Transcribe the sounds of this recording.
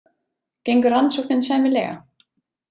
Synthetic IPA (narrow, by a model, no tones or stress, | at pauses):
cejŋkʏɾansɔwknɪnsɛːmɪlɛ̰ːɣa̰